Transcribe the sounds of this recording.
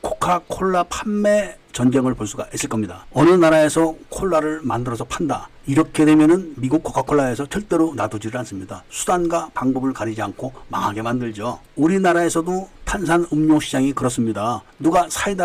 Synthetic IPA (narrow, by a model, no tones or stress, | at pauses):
kʰo̥kʰakʰoɭːapʰamːe̞ | t͡ɕʌnɡjʌŋɯɭpoɭs͈uɡais͈ɯɭk͈ʌmɲidaʌnɯnaɾae̞sʰʌkʰoɭːaɾɯɭmandɯɾʌsʰʌpʰanda | iɾʌkʰedwe̞mjʌnɯnmiɡuk̚ʰokʰakʰoɭːae̞sʰʌt͡ɕʌɭt͈e̞ɾonadud͡ʑiɾɯɭans͈ɯmɲidasʰu̥danɡwapaŋbʌbɯɭkaɾid͡ʑiankʰoma̰ŋɦaɡe̞mandɯɭd͡ʑouɾinaɾaesʰʌdotʰansʰanɯmɲoŋɕʰid͡ʑaŋikɯɾʌs͈ɯmɲida | nuɡasʰaida